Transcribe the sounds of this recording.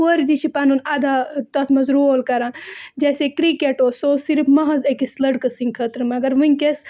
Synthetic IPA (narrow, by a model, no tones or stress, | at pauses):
əɾd͡ʒit͡ʃʰipaːnunad̪aːt̪ɐt̪ʰmɐzɾuoːlkɐɾaːnd͡ʒeːsekɾikeʈoːsoːsiɾfmɐɦɐzekislɐɽkɐsiŋkʰət̪ɾmɐɡɐɾʋunʲkʲes